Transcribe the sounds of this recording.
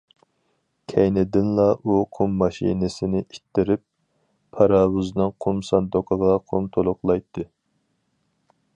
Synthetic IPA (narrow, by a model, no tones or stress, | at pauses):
kʲʰɛjnɪd̪ɪnlˠɑʔuqʰumːɑʃḭnɪsɪnɪʔit̪ʰːɪɾɪp̚ːʰ | ɑɾɑːwuznɨŋqʰumsɑnd̪oqʰəʁɑqʰumt̪ʰolˠʊqlˠɑjt̪ʰːɨ